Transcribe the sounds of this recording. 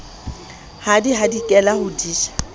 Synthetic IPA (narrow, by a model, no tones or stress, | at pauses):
hadiɦadikʼɛlahʊdiːʃḁ